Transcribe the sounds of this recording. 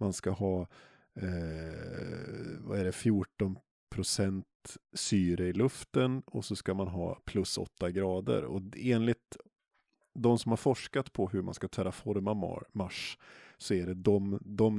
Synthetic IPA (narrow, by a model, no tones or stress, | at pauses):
manskahɑː | va̰æɖɛfjuːʈɔn | pʰɾʊsɛnt̪syːɾəɪlɵft̪ənɔsɔskamanɦɑ̰ːpʰlɵsɔ̰t̪ːaɡɾɑːd̪ə̰ɾɔ̰eːnlɪt̪̚ | d̪ɔmsɔmhaɾfɔʂkat̪pʰɔɦɵɾma̰nskat̪ʰœːɾafɔɾmamaʂsɔæɖɛd̪ɔmd̪ɔm